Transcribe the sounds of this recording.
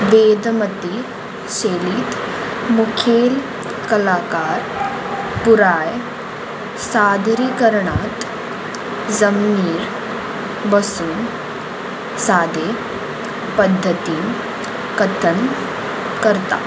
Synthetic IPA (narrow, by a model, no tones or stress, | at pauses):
ʋeːd̪mət̪i | ɕeːliːt̪mukʰeːl | kəlaːkaːɾ | puɾaːj | saːd̪ʱɾiːkəɾɳat̪ | zəmniːɾ | bəsuːn | saːd̪ʱe | pəd̪ʱːət̪iː | kət̪ʰəɳ | kəɾt̪a̰